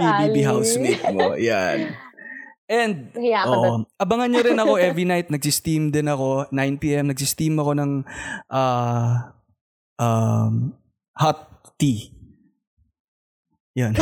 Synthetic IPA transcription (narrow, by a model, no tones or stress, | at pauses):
ibibiɦawsmejk̪̚moja̰n | ʔɛnd̪̚ʔoʔoʔɐbɐŋɐnɲoɾɪnɐko̞ʔɛvɹinajt̪̚nɐɡsist̪imd̪ɪnɐko̞najnpiːʔɛmnɐɡ̚sist̪imːɐko̞nɐŋʔaː | ʔam | hat̪ː | i | jan